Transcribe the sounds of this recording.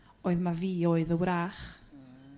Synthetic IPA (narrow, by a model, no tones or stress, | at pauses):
oːɨðmaviːoːɨðəwɾaːχ